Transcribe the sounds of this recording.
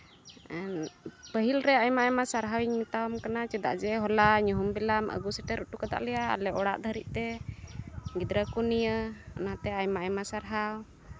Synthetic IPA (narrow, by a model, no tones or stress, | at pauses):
pəɦilɾɛajmaʔɛmasaɾɦawiɲmit̪awmkanat͡ʃɛd̪a̰ʔd͡ʒɛɦɔlaɲɔɦumbɛlamʔə̰ɡusɛʈɛɾɔʈukad̪a̰ʔlɛja̰ːlɛɔɽa̰ʔd̪ʱəɾiʔ̪̚t̪ɛ | ɡid̪ɾəkunijəa̰nat̪ɛajmaʔɛmasaɾɦaw